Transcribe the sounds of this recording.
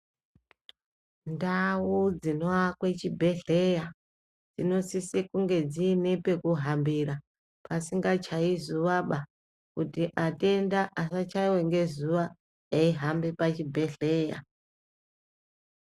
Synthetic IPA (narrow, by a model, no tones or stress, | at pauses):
ndawud͡zino̞akwe̞t͡ʃibʱe̞ɬeja | d͡zino̞sisekuŋɡe̞d͡ziːne̞pe̞kuɦambiɾa | pasiŋɡat͡ʃaizuʋaɓa | kutiʔate̞ndaʔasat͡ʃaiwe̞ŋɡe̞zuwa | eiɦambepat͡ʃibʱe̞ɬeːja̰